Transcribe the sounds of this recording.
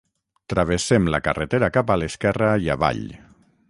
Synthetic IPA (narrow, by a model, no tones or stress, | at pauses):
t̪ɾaβ̞esemlakaret̪eɾakapaleskɛraia̰βa̰ʎ